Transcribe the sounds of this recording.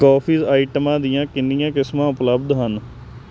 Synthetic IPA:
kaːpʰiːzaːiːʈəmãːd̪ijãːkɪnːijãːkɪsmãːʊpləb̚d̪ɦən

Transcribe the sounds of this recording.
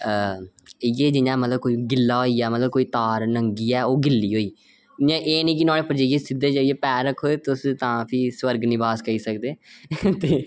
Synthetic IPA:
ə | ɪjeːd͡ʒɪɲãːmət̪ləb̚koːiɡɪlːaːɦoːiːɛːmət̪ləb̚koːiːt̪aːɾnəŋɡiːɛːoːɡɪlːiːɦoːiː | ãːʔeːnĩːk̬ɪnaːɽeːpəɾd͡ʒaːijeːsɪd̪ːeːd͡ʒaːieːpɛːɾəkʰːoːeːt̪ʊst̪ãːpʰiːswəɾɡnɪ̃ːbaːskəiːsəkd̪eːt̪eː

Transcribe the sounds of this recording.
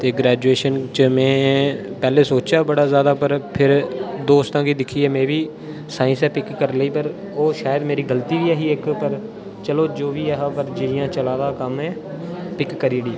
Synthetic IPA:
t̪eːɡɾɛːd͡ʒueːʃənt͡ʃəmɛ̃ːpɛːleːsoːt͡ʃaːbəɽaːzjaːd̪aːpəɾpʰɪɾd̪oːst̪ãːkiːd̪ɪkʰiːɛːmɛ̃ːʋiː | saːɪ̃nsɛːpɪkːəɾləiːpəɾ | oːʃaːjəd̪meːɾiːɡəlt̪iːʋiːɛːɦiːɪkpəɾ | t͡ʃəloːd͡ʒoːʋiːɛɦaːbəɾd͡ʒɪɪjãːt͡ʃəlaːd̪aːkəmɛ̃ː | pɪkːəɾiːɽiː

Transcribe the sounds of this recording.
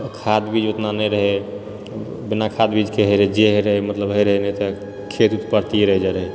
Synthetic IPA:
kʰad̪bid͡ʒot̪nanɛjɾəɦɛ | binakʰad̪bid͡ʒkeɦəɾd͡ʒeɦeɾəɦɛmət̪ləbɦəjɾəɦɛnɛt̪ɔ | kʰet̪ut̪pəɾt̪ieɾəɦd͡ʒaɾəɦe

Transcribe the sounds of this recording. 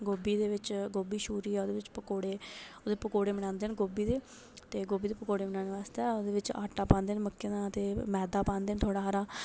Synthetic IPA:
ɡoːbiːd̪eːʋɪt͡ʃɡoːbiːʃuːɾiːɛːoːd̪eːʋɪt͡ʃpəkoːɽeːoːd̪eːpəkoːɽeːmɪɽ̃ãːnd̪eːənɡoːbiːd̪eː | t̪eːɡoːbiːd̪eːpəkoːɽeːmɪnãːneːʋaːst̪eɛːoːd̪eːʋɪt͡ʃa̰ːʈːaːpãːnd̪eːnməkːenãːt̪eːmɛːd̪aːpãːnd̪eːnt̪ʰoːɽaːɦəɾaː

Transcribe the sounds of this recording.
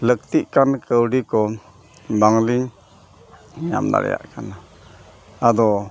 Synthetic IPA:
lək̚t̪iʔkankəwɖikɔ | baŋliŋ | ja̰md̪a̰ɾ̰ja̰ʔkana | ad̪ɔ

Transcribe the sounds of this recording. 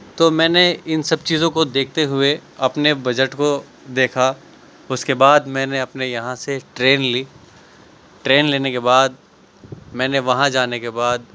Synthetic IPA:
t̪oːmɛ̃ːneɪnsɐb̚t͡ʃiːzõkod̪eːk̚ʰt̪eɦʊeɐpnebɐd͡ʒəʈko | d̪eːkʰa | ʊskebaːd̪mɛ̃ːneɐpnejɐɦãseʈɾeːnliː | ʈɾeːnleːnekebaːd̪̚ | mɛ̃ːneʋɐɦãd͡ʒaːnekebaːd̪̚

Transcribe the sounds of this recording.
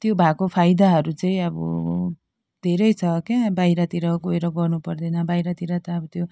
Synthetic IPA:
t̪jobʱakopʰajd̪aɦʌɾut͡sʌĩʌbʌ̰ | d̪ʱeɾʌjt͡sʰʌkebajɾʌt̪iɾʌɡoeɾʌɡʌrnupʌrd̪enʌbajɾʌt̪iɾʌt̪ʌːbʌt̪jo

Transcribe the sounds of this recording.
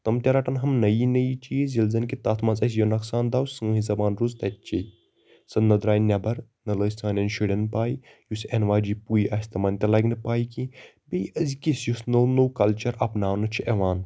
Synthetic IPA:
t̪ɐmt̪ʲɐɾɐʈɐnɦɐmnɐjinɐjit͡ʃizʲilzɐnkit̪aːt̪ʰmɐ̃nzɐs̬jonɐksaːnd̪aːwsɨŋɦizɐbaːnɾuzt̪ɐt̪̚ʲt͡ʃi | sɐnɐd̪ɾaːjnʲɐbɐɾnɐləːjsaːnɐnʃiɽʲɐnpaːji | jusenʋaːd͡ʒipuːjiʔɐsʲt̪ɐmɐnʲt̪ʲɐlɐɡnɨpaːjiki | bejɐzikisjusnonoːwkɐlt͡ʃɐɾɐpnaːwnɨt͡ʃʰiʔɐʋaːn

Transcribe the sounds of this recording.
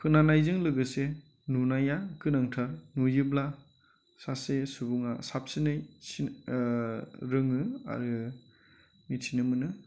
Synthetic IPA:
kʰɯnanajzɯŋlɯɡɯse | nunajakɯnaŋtʰaɾnujɯbla | sasesubuŋasap̚sinɯjsi | ɾɯŋɯa̰ɾɯ | mitʰinɯmɯnɯ

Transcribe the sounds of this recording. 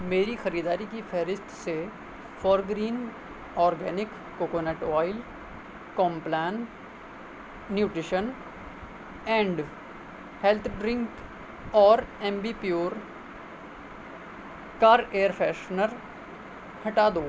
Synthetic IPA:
meːɾixɐɾiːd̪aːɾikifʰɛɦɾɪst̪ʰse | fɔːɾɡɾiːn | ɔːɾɡɛːnɪkːoːkoːneːʈɔːɪl | kɔ̃ːmplɛːn | juːʈɾɪʃən | ɛ̃ːɳɖ | hɛlt̪ʰɖɾɪ̃ŋk | ɔːɾɛ̃ːmbipjoːɾ | kaːɾeːəɾfʰɛːʃnəɾ | hɐʈaːd̪oː

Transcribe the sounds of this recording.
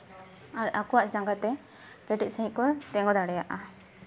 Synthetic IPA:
aɾakɔwaʔd͡ʒãŋɡat̪ɛ | kɛʈiʔ̚səɦĩʔkɔt̪ɛŋɡɔd̪aɽɛjaʔa

